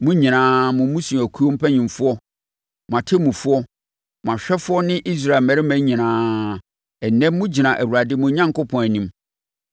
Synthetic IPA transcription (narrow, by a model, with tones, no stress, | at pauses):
mʊ̃˦ɲĩ˨nãː˦mʊ̃˨˦mũ˦sũ˨æ˨kʰu˦o˦m̩˦pʰæ˦ɲĩ˨mfʊ˦ɔ˦ | mʊ̃˨ã˨tʰe˦mũ˨fʊ˦ɔ˦ | m˨ã˨ɕᶣɛ˦fʊ˦ɔ˦nɪ̃˦ʔi˦s̬ɾa˦˨lmæ˨ɾɪ˦mæ̃˦ɲĩ˨nãː˨˦ | ɛ˨nɛ̃˦mː˦ʊ̃˦d͡ʑi˨nã˨ʔæ˨wu˨ɾa˨dɪ˦mʊ̃˨˦ɲã˦ŋko˦pʰɔ̃˨næ˨nĩ˦m